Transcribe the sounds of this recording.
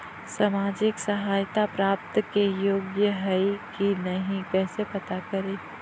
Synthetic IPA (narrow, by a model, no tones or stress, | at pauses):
samaːd͡ʒɪksɐɦaːjt̪apɾaːp̚t̪kejoːɡjəɦɐikinɐɦĩkɛːsepɐt̪akɐɾeː